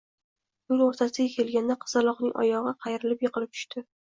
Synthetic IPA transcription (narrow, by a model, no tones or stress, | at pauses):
jʊloɾt̪ʰasɪɡʲakʲʰe̞lɡʲand̪aqʰɨ̥zalˠɒqnɪŋʔɒ̰jɒʁɨqʰɑjɾɪlɪpjɨqɨlˠɪp̚t̪ʰʊ̥ʃt̪ɪ